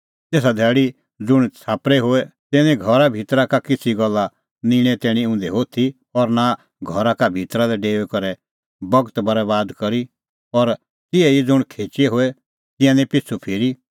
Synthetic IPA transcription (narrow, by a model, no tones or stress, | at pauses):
t̪eːs̬ad̪ʱɛːɽi | d͡zʊɽ̃t͡sʰaːpɾɛɦoːɛt̪ɛːnɛ̃ɡʱɔɾabʱiːt̪ɾakakɪt͡sʰiɡɔlːa | nĩɽ̃ɛt̪ɛːɽ̃ĩʊ̃ːnd̪ɛɦoːt̪ʰi | ɔɾna | ɡʱɔɾakabʱiːt̪ɾalɛɖeːʋɛkɐɾɛ | bɐɡət̪bɐɾɛβaːd̪kɐɾi | ɔɾ | t̪ɪɛid͡zʊɽ̃kʰeːt͡ʃeɦoːɛ | t̪ɪ̃jãnĩpɪt͡sʰupʰɪːɾi